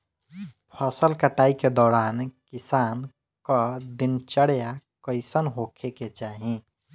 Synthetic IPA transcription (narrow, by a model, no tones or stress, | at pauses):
pʰəsəlkəʈaːiked̪ɔːɾaːnkɪsaːn | kəd̪ɪnt͡ʃəɽjakəɪsənɦokʰeket͡ʃaːɦĩ